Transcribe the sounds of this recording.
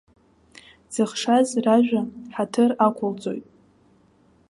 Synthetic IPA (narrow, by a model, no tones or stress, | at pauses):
d͡zɨχʂazraʒᶣʷaħatʰɨrakʷʰʊlt͡sʼo̞̰jtʼ